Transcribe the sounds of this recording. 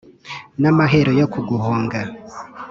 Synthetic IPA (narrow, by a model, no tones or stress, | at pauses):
namaɦe̞ɾojokuɡuhoːŋɡa